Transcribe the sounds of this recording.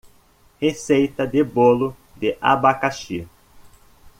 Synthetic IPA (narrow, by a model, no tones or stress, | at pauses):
hesejt̪ɐd̪ɪbolʊ | d̪ɪʔa̰bakaʃi